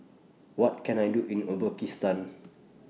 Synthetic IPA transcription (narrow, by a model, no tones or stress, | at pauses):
wɔt̚kɛ̃najduʔĩnəbəkist̪ãn